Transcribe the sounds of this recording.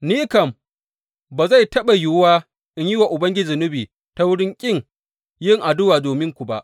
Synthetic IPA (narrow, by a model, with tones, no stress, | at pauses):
niː˦kɐ˨m | baː˨za˦˨jtɐ˦ɓa˨jʊ˨˦waː˦ | ʔɪ˦ɲji˦wa˨ʔʊ˨bɐ˦ŋɡʲɪ˦d͡ʒɪ˨nɪ˦biː˨ | ta˦wʊ˦ɽɪ˦ŋkʲʼɪ˦˨ŋ | jɪ˦ŋʔa˨dʊ˦waː˨doː˨mɪ˦ŋkʷu˨ba˦˨ʔ